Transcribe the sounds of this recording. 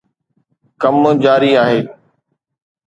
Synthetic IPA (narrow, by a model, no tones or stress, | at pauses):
kəmd͡ʑaːɾiːaːɦeː